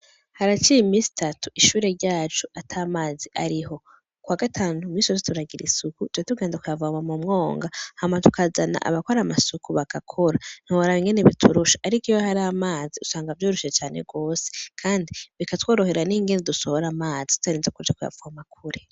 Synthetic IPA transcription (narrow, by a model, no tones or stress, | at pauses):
haɾat͡ʃijimiːsi̥tatuiʃuːɾe̞ɾɟaːt͡ʃuatʰamaːziʔaɾiɦo̞ | kwaːɡatʰaːnumiːsozetuɾaɡiɾḭsukutwetuɡeːndzakujavuamamumŋo̞ːŋɡahamatu̥kazana̰ʔa̰βakoɾamasukuβakakʰo̞ɾan̥huoɾaiŋɡe̞neβitʰuɾuʃḁʔːɾikiwahaɾamaːziusaːŋɡavjoːɾoʃiet͡ʃaːne̞̰ɡo̞ːse̥kʰaːndiβikatwoːɾo̞ɦe̞ɾaniːŋɡe̞nedusohoɾamaːzitu̥taɾiːnzakuɾd͡ʒakuja̰vuhamakʰuɾe